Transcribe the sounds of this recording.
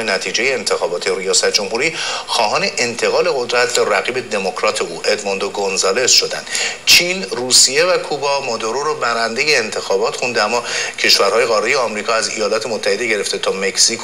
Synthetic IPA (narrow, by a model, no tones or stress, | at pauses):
enæt̪ʰiːd͡ʒe̞je̞ːnt̪ʰe̞xɒːbɒːt̪ʰeɾijɒːsæt̪̚ʰd͡ʒo̞mhuɾiːxɒːhɒːne̞ʔent̪ʰe̞ɣɒːle̞ɣod̪ɾæt̪ʰbæræɣiːbe̞d̪e̞mo̞kʰɾɒːt̪ʰeuːʔed̪mond̪oɡonzɑːlesʃo̞d̪æ̰nd̪̥t͡ʃʰinruːsije̞vækʰubɒmod̪oɾoɾɔbæɾænd̪e̞je̞ːnt̪ʰe̞xɒːbɒːt̪xund̪eæmːɒːcʰe̞ʃvæɾhɒːje̞ɣɒːɾejeɒmɾiːkʰɒːæzḭjɒːlɒːt̪ʰe̞mot̪ʰːæhe̞d̪e̞ɟe̞ɾe̞ft̪e̞t̪ʰɒːme̞ksikʰ